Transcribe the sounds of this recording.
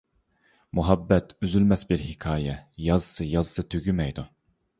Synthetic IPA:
muɦɑbːɛt̪ʰyzylmɛsbɪɾhɪkʲʰɑːjɛjɑzsɨjɑzsɨt̪ʰøɡʲymɛjd̪u

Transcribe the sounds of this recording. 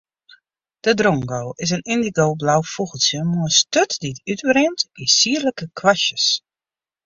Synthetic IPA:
d̥ədroŋɡowɪsənɪndiɡowblawfuɣəlˠsjəmuəstøtditytbrɪntisiːərləkəkʰwasjəs

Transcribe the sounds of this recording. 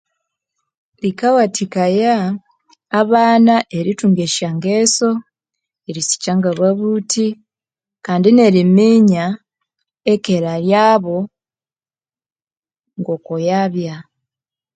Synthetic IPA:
likawatʰikajaː | βaːnaʔe̞ɾituŋɡeʃaŋɡeːso̞ | eɾisi̥caŋɡaβaβutʰi | kaːndine̞ɾimiɲa | ekeɾaljaːβo̞ | ŋɡo̞kojaβja

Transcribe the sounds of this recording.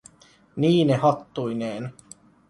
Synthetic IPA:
niːnehɑt̪ːujneːn

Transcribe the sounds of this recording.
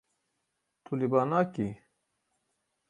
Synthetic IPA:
t̪ʰulibaːnaːki

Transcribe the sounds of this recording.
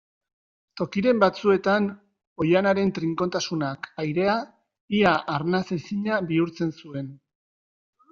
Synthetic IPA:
t̪o̞kiɾe̞mbat͡sue̞t̪an | o̞janaɾe̞nt̪ɾiŋko̞nt̪asunakajɾe̞a | iaʔːɾnasesiɲabiuɾt͡se̞nsue̞n

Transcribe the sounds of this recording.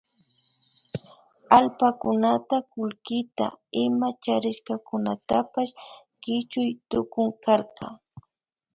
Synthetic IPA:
alpakʊnat̪akʊlkɪt̪a̰ɪmat͡ʃaɾɪʃkɑkʊnat̪apaʃ | kɪt͡ʃʊjt̪ʊkʊŋkaɾqɑ̰

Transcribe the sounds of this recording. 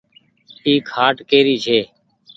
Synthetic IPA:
iːkʰaːʈkeːɾiːt͡ʃʰeː

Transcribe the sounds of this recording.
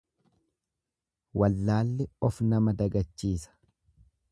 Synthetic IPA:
wɐlːaːlːɪɔfnɐmɐd̪ɐɡɐt͡ʃːiːsɐ̥

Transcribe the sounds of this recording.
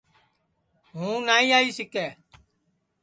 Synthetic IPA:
ɦũːnaːĩːaːiːsɪkɛː

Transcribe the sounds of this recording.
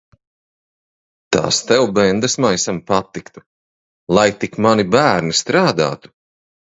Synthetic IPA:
t̪a̰ːst̪ɛwbɛnd̪asmajsampat̪ːikt̪u̥ | lˠajt̪ikmanibæːɾnist̪ɾaːd̪a̰ːt̪u̥

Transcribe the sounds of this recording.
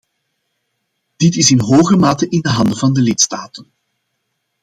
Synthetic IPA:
d̥ɪtɪsɪnɦoːɣəmaːtəʔɪndəɦɑndəvɑndəlɪtstaːtən

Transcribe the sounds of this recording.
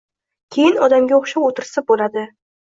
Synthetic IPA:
kʲʰe̞jɪnɒd̪amɡʲaoχʃaot̪ʰɪɾsabolad̪ɪ

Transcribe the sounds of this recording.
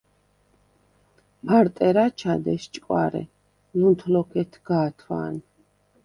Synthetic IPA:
baɾt̪ʼɛɾat͡ʃʰad̪ɛst͡ʃʼkʼwa̰ɾɛ̰ | lunt̪ʰlɔkʰɛt̪ʰɡ̥aːt̪ʰwa̰ːn

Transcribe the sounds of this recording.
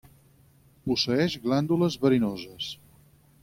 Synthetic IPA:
pusəɛʃɣland̪uləzβəɾinozəs

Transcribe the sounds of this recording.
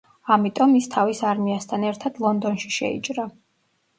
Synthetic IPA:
amit̪ʼɔmist̪ʰavisaɾmiast̪ʰanɛɾt̪ʰad̪̥lˠɔnd̪ɔnʃi̥ʃɛ̰ḭt͡ʃʼɾa

